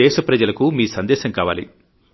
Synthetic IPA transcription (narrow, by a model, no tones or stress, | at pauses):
ɛːʃɐpɾɐd͡ʒɐlɐkumiːsɐnd̪ɛːʃɐŋkaːʋa̰ːlḭ